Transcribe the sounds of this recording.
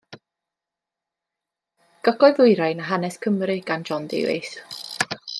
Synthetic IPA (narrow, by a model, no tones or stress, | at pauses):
ɡ̥ɔɡɔɨðˠʊɨɾajnaɦanɛskʰəmɾɨɡ̥and͡ʒɔndḛvḛjθ